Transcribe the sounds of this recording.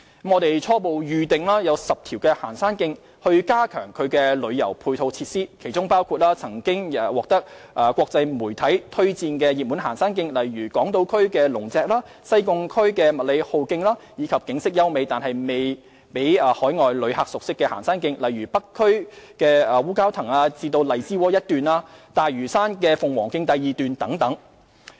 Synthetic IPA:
mŋɔː˨˧t̪e˨jt͡sʰɔː˥po˨wjyː˨t̪ɪ˨ŋlaː˥jɐ˨˧wsɐ˨p̚t̪ʰiː˨˩wkɛː˧ha̰ː˨˩nsaː˥nkɪ˧ŋ | hɵ˧ɥkaː˥kʰœ̰ː˨˩ŋkʰɵ˨˧ɥkɛ˧lɵ˨˧ɥjɐ̰˨˩wpʰuː˧jt̪ʰo˧wt͡sʰiː˧t̚siː˥kʰe˨˩jt͡sʊ˥ŋpaː˥wkʰuː˧t̚laː˥t͡sʰɐ˨˩ŋkɪ˥ŋː˧wɔː˨k̚t̪ɐ˥k̚ | ʔɐː˨˩kʷɔː˧k̚t͡sɐ˧jmuː˨˩jt̪ʰɐ˨˥jt̪ʰɵ˥ɥt͡siː˧nkɛ˧ji˨muː˨˥nɦaː˨˩nsaː˥nk̬ɪ˧ŋlɐ˨jɥyː˨˩kɔː˨˥ŋt̪o˨˧wkʰɵ˥ɥkɛː˧lʊ˨˩ŋt͡sɛː˨k̚laː˥ | sɐ˥jkʊ˧ŋkʰɵ˥ɥkɛː˧mɐ˨t̚le˨˧jho˨wkɪ˧ŋlaː˥jiː˨˧kʰɐ˨p̚kɪ˨˥ŋsɪ˥k̚jɐ˥wme˨˧jt̪aː˨nhɐ˨jme˨j | pe˨˥jːhɔː˨˥jŋɔː˨jlɵ˨˧ɥha˨k̚sʊ˨k̚sɪ˥kːɛː˧haː˨˩nsaː˥nkɪ˧ŋlɐ˨jɥyː˨˩pɐ˥kʰːɵ˥ɥkɛː˧ɐː˨wuː˥kaː˥wt̪ʰɐ˨˩ŋaː˧t͡siː˧t̪o˧wlɐ˨˩jt͡siː˥wɔː˨˥jɐ˥t̚t̪yː˨naː˧t̪aː˨jɥyː˨˩saː˥nkɛː˧fʊ˨ŋwɔː˨˩ŋkɪ˧ŋt̪ɐ˨jːiː˨t̪yː˨nt̪ɐ˨˥ŋt̪ɐ˨˥ŋ

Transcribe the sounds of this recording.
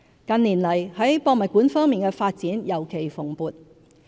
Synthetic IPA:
kɐ˨nliː˨˩nlɐ˨˩jhɐ˨˥jpɔː˧k̚mɐ˨t̚kuː˨˥nfɔː˥ŋmiː˨nkɛː˧faː˧t̚t͡siː˨˥njɐ˨˩wkʰe˨˩jfʊ˨˩ŋpuː˨t̚

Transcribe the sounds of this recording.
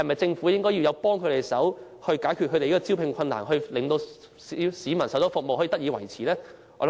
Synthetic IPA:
hɐjmɐ˨jt͡sɪ˧ŋfu˨˥jɪ˥ŋkɔː˥ji˧wjɐ˨˧wpɔː˥ŋkʰɵ˨˧ɥt̪e˨jsɐ˨˥w | hɵ˧ɥkaː˨˥jkʰy˨t̚ʰɵ˧t̪e˨jkɔ˧t͡si˥wpʰɪ˨˧ŋkʰɐ˧na̰ː˨˩nɦɵ˧ɥlɪ˨ŋt̪o˧w | i˨siː˨˧mɐ˨˩nsɐ˨˥wt͡sɔː˨˧˥fʊ˨k̚mo˨whɔ˨˥i˧˩t̪k̚jiː˧wɐ˨˩jt͡sʰiː˨˩lɛː˥ | ɔː˧˥

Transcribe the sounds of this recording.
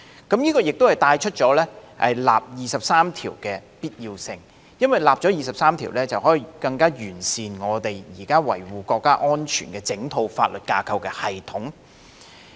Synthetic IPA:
kɐ˨˥mjiː˥kɔː˧jɪ˨k̚t̪whɐ˨˩jt̪aː˧jt͡ʃʰɵ˥t̚t͡ʃɔː˨˥lɛː˥hɐ̰˨jla̰ː˨p̚jiː˨sɐ˨p̚saː˥mt̪ʰiː˨˩wkɛː˧piː˥t̚ji˧wsɪ˧ŋ | jɐ˥nwɐ˨jlaː˨p̚t͡ʃɔː˨˥jiː˨sɐ˨p̚saː˥mt̪ʰiː˨˩wlɛː˥t͡sɐ˨wɦɔː˨˥ji˨kɐ˧ŋkaː˥jyː˨˩nsiː˨nŋɔː˨˧t̪e˨jjiː˨˩kaː˥wɐ̰˨˩jwuː˨kɔː˧kːaː˥ʔɔː˥nt͡ʃʰy̰ː˨˩nkɛː˧t͡sɪ˨˥ŋt̪ʰo˧wfaː˧t̚lɵ˨t̚kaː˧kʰɐ˧wkɛː˧hɐ˨jt̪ʰʊ˨˥ŋ

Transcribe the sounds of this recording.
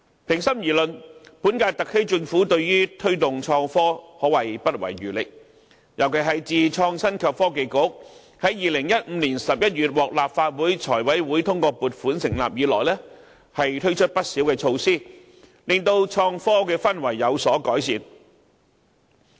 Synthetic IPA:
pʰɪ˨˩ŋsɐ˥mjiː˨˩lɵ˨npuː˨˥nkaː˧t̪ɐ˨k̚he˥jt͡sɪ˧ŋfuː˨˥t̪ɵ˧ɥɥyː˥t̪ʰɵ˥ɥt̪ʊ˨ŋt͡ʃʰɔː˧ŋfɔː˥hɔː˨˥wɐ˨˩jpɐ˥t̚wɐ̰˨˩jɥyː˨˩lɪ˨k̚ | jʔɐ˨˩wkʰe˨˩ɦɐ˨jt͡siː˨˧t͡ʃʰɔː˧ŋsɐ˥nkʰɐ˨pfɔː˥ke˨jkʊ˨˥ | hɐ˨˥jjiː˨lɪ˨˩ŋjɐ˥t̚m̩˨˧niː˨˩nsɐ˨p̚jɐ˥t̚jyː˨t̚wɔː˨k̚laː˨pfaː˧t̚wuː˨˥jt͡ʃʰɔː˨˩jwɐ˨˥jwuː˨˥jt̪ʰʊ˥ŋkɔː˧puː˨t̚fuː˨˥nsɪ˨˩ŋla̰ː˨p̚jiː˨˧lɔː˨˩jlɛː˥ | hɐ˨jt̪ʰɵ˥ɥt͡ʃʰɵ˥t̚pɐ˥t̚siː˨˥wkɛː˧t͡ʃʰo˧wsiː˥ | lɪ˨ŋt̪o˧wt͡ʃʰɔː˧ŋfɔː˥kɛː˧fɐ˥nwɐ˨˩jːɐ˨˧wsɔː˨˥kɔː˨˥jsiː˨˧n

